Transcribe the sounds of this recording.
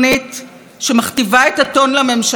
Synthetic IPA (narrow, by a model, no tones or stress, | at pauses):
nit | ʃemaχtivaetato̞nlame̞mʃ